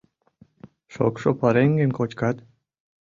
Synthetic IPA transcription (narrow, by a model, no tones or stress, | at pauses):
ʃo̰kʃopɑɾeŋɡenkot͡ɕkɑt̪